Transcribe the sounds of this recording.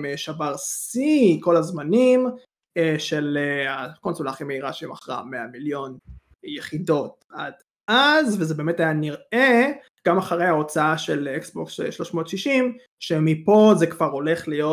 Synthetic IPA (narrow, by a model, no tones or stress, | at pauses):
meʃavaʁsiko̞lazmanim | eʃeleako̞nsolaːχimeiʁaʃeima̰χʁa̰meamiljo̞n | jeχido̞t̚ | ad̥ | ʔazvezebeːmetajaniʁe | ɡ̥amaχaʁejhao̞t͡saaʃeleksboksʃlo̞ʃmo̞tʃiʃim | ʃemipo̞zekv̥aʁo̞le̞χlijo